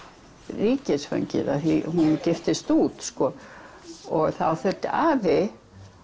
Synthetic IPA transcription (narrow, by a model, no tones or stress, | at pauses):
riːcɪsfœ̰ɥɲcɪ̰ða̰θiɦuncɪft̪ɪst̪uːt̪skɔ | ɔɣθa̰wθœt̪aːvɪ